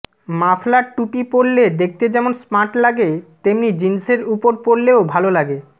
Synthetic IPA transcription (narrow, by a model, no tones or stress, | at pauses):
maflaʈːupipoɾled̪ek̚t̪ed͡ʑɛmonsmaʈlaɡet̪emnid͡ʑinseɾupoɾpoɾleobʱalolaɡe